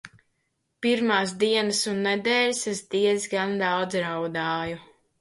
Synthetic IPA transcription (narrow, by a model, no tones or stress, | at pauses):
piɾmaːs̬d̪iɛnɨsunːɛd̪ɛːlʲsɛzd̪iɛzɡand̪awd̪zɾawd̪aːju